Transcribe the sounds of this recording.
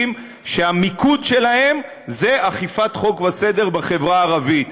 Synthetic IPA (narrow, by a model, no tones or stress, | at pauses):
m | ʃeamikud̪ʃe̞lahe̞m | ze̞ʔaχifat̪χo̞kvase̞d̪e̞ʁbaχe̞vʁaːʁavit̪